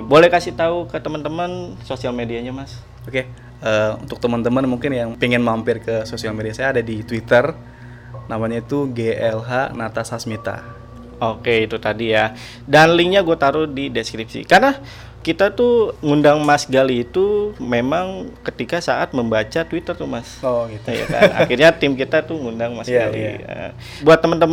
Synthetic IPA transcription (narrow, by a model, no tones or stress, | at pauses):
bolɛhkasiht̪aukət̪əmənt̪əmənsosialmediaɲamas | oke | əːṵnt̪ʊk̚t̪əmənt̪əmənmuŋkɪnjaŋpiŋɪnmampɪrkəsosialmediasajaːdadit̪wit̪ər | namaɲait̪uɡeʔɛlɦanat̪asasmit̪a̰ | okeit̪ut̪adija | danliŋɲaɡuat̪aɾʊdideskɾip̚sḭkarna | kit̪at̪uŋundaŋmasɡaliːt̪umemaŋkət̪ikasaʔat̪̚məmbat͡ʃat̪wit̪ərt̪umasoitja̰a̰na̰kirɲat̪ɪmk̬it̪at̪uŋundaŋmasɡalḭə̰ | buat̪ːəmənt̪əm